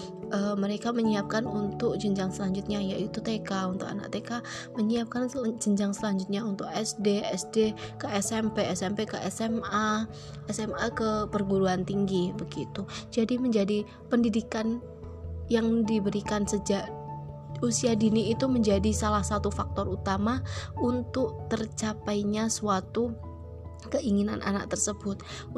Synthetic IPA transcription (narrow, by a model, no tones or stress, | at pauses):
əːməɾekaməɲiap̚kanunt̪ʊk̚d͡ʒəɲd͡ʒaŋsəlaɲd͡ʒut̪̚ɲajaʔit̪ut̪ekaunt̪ʊka̰na̰ʔ̚t̪eka | məɲiap̚kand͡ʒəɲd͡ʒaŋsəlaɲd͡ʒut̪̚ɲaunt̪ʊk̚ɛsdeɛsdekəɛsɛmpeɛsɛmpekəʔɛsɛma | ɛsɛmakəpərɡuɾuant̪iŋɡibəɡit̪ud͡ʒadiməɲd͡ʒadi | pəndidikan | jaŋdibəɾikansəd͡ʒaʔ | usiadiniːt̪uməɲd͡ʒadisalahsat̪ufak̚t̪ɔrut̪amaunt̪ʊk̚t̪ərt͡ʃapajɲasuat̪u | kəʔiŋina̰nʔa̰na̰k̚t̪ərsəbʊt̪̚